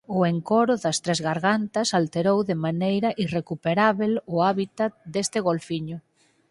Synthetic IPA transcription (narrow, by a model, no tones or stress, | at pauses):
ʊeŋkoɾʊðɐst̪ɾezɣaɾɣant̪ɐsalt̪eɾowðɪmanejɾɐʔirekupeɾaβelʊaβit̪at̪̚d̪est̪ɪɣolfiɲʊ